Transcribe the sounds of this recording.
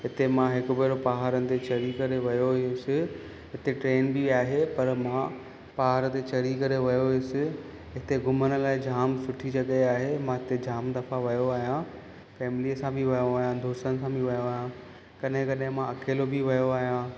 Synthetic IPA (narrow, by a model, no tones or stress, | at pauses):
ɦɪt̪emãɦɪkʊ̆beːɾopaɦaːɾənɪ̆t̪et͡ɕɐɾikɐɾeʋɐjoʊsɪ | ɦɪt̪eʈɾeːnbiaːɦepɐɾmã | paːɦaːɾət̪et͡ɕɐɾikɐɾeʋɐjoɦiʊsɪ | ɦɪt̪eɡʱʊmənə̆laːɪd͡ʑaːmsʊʈʰid͡ʑɐɠeaːɦemãɦɪt̪ed͡ʑaːmd̪ɐfaʋɐjoaːɦijã | fɛːmliəsãbʱɪʋɐjoaːɦijãd̪ʱoːst̪ənɪ̆sãbɪʋɐjoaːɦjã | kɐɗɦɪ̃kɐɗɦɪ̃mãɐkʰeːlobʱiʋɐjoaːɦijã